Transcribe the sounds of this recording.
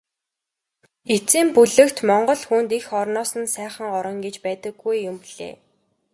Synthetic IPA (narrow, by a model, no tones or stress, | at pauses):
et͡siːmpuɮɘ̆kt̪mɔɴɢɞ̆ɮxunt̪ixɔrnɔːsə̆nsæːχə̆ŋɔɾɞ̆ŋɡet͡ɕpæːt̪ə̆ɡːujːʊmpiɮ̥ḛː